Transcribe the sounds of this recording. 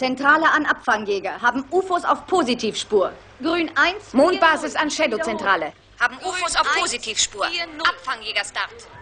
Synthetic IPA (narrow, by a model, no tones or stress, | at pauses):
t͡sɛntʁ̥aːləʔanʔapfaŋjɛːɡɐɦaːbm̩ʔuːfosa̰ʊfpʰoːzitʰiːfʃpuːɐ | ɡ̥ʁyːnʔaɪnsmoːnt̚b̥aːzɪsanʃɛdot͡sɛntʁ̥aːlə | haːbm̩uːfosaʊfpʰoːzitʰiːfʃpuːɐpfaŋjɛːɡɐʃtaʁt